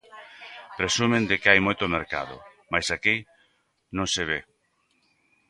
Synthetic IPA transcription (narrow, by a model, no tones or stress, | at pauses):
pɾesumẽnd̪ɪkɪajmojt̪ʊmeɾka̰ðʊ̰majsaki | nõŋseβ̞e